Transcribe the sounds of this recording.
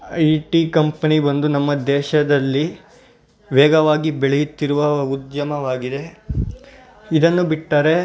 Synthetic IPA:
ɐjʈikɐmpɐnibɐnd̪unɐmːɐd̪ɛːʃɐd̪ɐlːi | ʋɛːɡɐʋaːɡibeɭejut̪ːiɾuʋɐud̪jɐmɐʋaːɡid̪e̞ | id̪ɐnːubiʈːaːɾe̞

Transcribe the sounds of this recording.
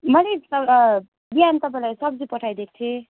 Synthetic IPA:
mʌleʌwɾʌ | biɦant̪ʌpãĩlajsʌb̚d͡zupʌʈʰajd̪ek̚ʰt͡sʰe

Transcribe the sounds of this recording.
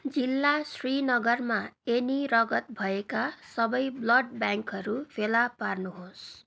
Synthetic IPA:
d͡zilːasrinʌɡʌrmaenirʌɡʌt̪̚bʱʌekasʌbʌjblʌɖ̚bjaŋkɦʌɾupʰelaparnuɦos

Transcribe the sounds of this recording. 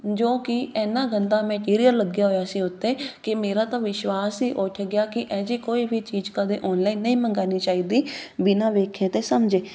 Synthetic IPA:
d͡ʒoːkɪɛːnãːɡənd̪aːmɛ̃ːʈiːɾijəlːəɡjaːɦoːjaːsiːʊt̪ːeːkɪmeːɾaːt̪ãːʋɪʃwaːsiːʔʊʈʰɡɪjaːkɪʔɛːd͡ʒiːkoːiːbʱiːt͡ʃiːd͡ʒkəd̪eːʔɔːnlaiːnəĩːməŋɡaːniːt͡ʃaːiːd̪iːbɪnãːʋeːkʰẽːt̪eːsəmd͡ʒeː

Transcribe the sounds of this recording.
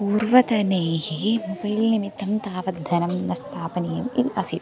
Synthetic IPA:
puːɾʋɐt̪ɐneːhimobɐjlnimit̪ːɐmt̪aːʋɐd̪ʱɐnɐmnɐst̪ʰaːpɐnijɐmiʔɐsit̪

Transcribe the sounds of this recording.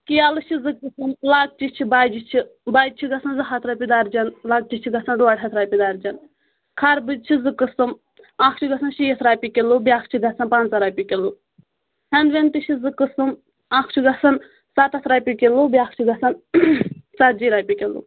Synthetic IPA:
kijalɨt͡ʃʰizɨkɨsɨmlaɡ̚t͡ʃit͡ʃʰibad͡ʒit͡ʃʰibaːd͡ʒ̚t͡ʃʰiɡɐsɐnzɨɦat̪ʰɾapʲid̪aːɾd͡ʒɐnlaɡ̚t͡ʃit͡ʃʰiɡɐsɐnɖuaʈʲɦɐt̪ʰɾaːpʲid̪aːɾd͡ʒɐn | kʰɐɾbɨd͡ʒt͡ʃʰizɨkɨsɨm | akʰt͡ʃʰiɡɐsɐnʃijet̪ʰɾaːpʲikelubʲjaːkʰt͡ʃʰid̪ɐsɐnpant͡sɐɾapʲikelu | hend̪ʋent̪it͡ʃʰizɨkɨsɨm | akʰt͡ʃʰiɡɐsɐn | sat̪ɐt̪ʰɾaːpʲikelubiakʰt͡ʃʰiɡɐsɐn | t͡sat̪̚d͡ʒiɾaːpʲikelṵ

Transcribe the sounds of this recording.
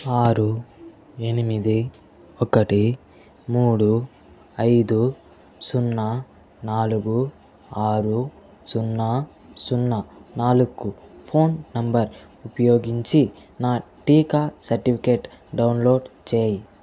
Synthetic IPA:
aːɾu | e̞nimid̪i | ɔkɐʈi | muːɽu | ɐjd̪u | sunːɐ | naːluɡu | aːɾu | sunːɐ | sunːɐnaːlukːupʰo̞ːnːɐmbɐɾ | upɐjo̞ːɡiɲt͡ʃi | naːʈiːkaːsɐɾʈipʰikeːʈɖɐwnlo̞ːɖt͡ʃeːji

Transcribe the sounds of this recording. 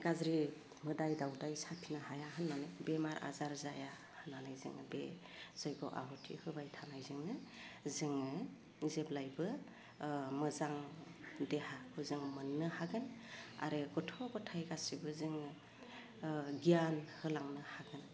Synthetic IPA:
ɡ̥azɾi | mɯdajdawdajsapʰinɯhajaɦanmanɯbemaɾʔa̰zaɾzaja | hɯnːanajzɯ̰ŋbe | z̥ɔjɡɔʔa̰ɦɔtʰḭhɯbajtʰanajzɯŋnɯzɯŋ | zeblajbɯ | mɯzaŋdehahɯzɯŋmɯnːɯhaɡɯna̰ɾɯɡɔtʰɔbɯtʰajɡasibɯzɯŋ | ɡijanhɯlaŋnɯhaɡɯn

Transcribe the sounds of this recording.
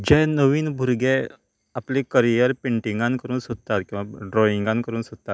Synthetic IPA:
d͡ʑɛ̃nəʋiːnbʱuɾɡe | aplekəɾijəɾpeɳʈiŋɡãnkəɾuːnsod̪t̪at̪kĩw̃ʋaɖɾɔiŋɡãnkəɾuːnsot̪̚t̪ːat̪

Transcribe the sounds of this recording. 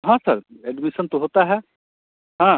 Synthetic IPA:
ɦãsəɾɛɖmisənt̪oɦot̪aɦɛ | ɦã

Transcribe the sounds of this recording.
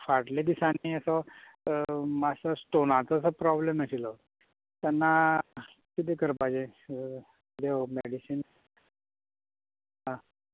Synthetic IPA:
faɽled̪isaniəsɔ | masəsʈonat͡səsəpɾɔbleməsilɔ | t̪ɛnːa | kid̪ekəɾpad͡ʑẽ | d̪eomeɽisin | ɦã

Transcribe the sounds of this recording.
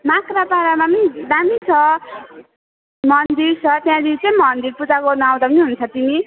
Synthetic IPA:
makrapaɾamapnid̪amit͡sʰʌ | mʌnd̪iɾt͡sʰʌt̪jãd̪it͡sʌĩmʌnd̪iɾput͡sakonʌaw̃d̪apʌniɦunt͡sʰʌt̪imi

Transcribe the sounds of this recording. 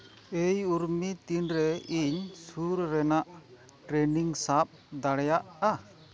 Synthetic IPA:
ejuɾmit̪inɾɛiɲsuɾːɛnaʔ | ʈɾɛniŋsap̚d̪aɽɛjaʔa

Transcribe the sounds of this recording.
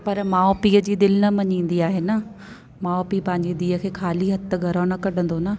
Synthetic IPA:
pɐɾmaːopiːəd͡ʑiːd̪ɪlnɐmɐɲĩːn̆d̪iaːɦenə | maːoːpipɐ̃ɦɪ̃ɲd͡ʑed̪iːəkʰeːkʰaːliɦɐt̪əɡʱɐɾaːnɐkɐɖʱə̃nd̪onɐ

